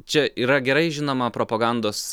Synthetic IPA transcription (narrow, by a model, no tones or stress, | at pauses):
t͡ʃʲɛʔiːɾɐɡʲɛɾɐɪʒʲɪnoːmɐpɾoːpɐɡɑˑnd̪oːs